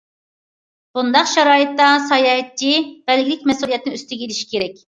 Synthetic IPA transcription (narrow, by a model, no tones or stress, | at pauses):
b̥und̪ɑqʃɑɾɑːjɨt̪ːɑsɑjɑːɛt̪̚t͡ʃʰːib̥ɛlɡʲilɪk̚ʲmɛsulˠijɛt̪ʰːnɪyst̪yɡʲeliʃi̥kʲʰeɾɛkʲ